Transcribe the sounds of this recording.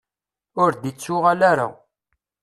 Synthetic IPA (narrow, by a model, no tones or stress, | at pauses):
ʊɾd̪it͡sːʊʁalaɾa̰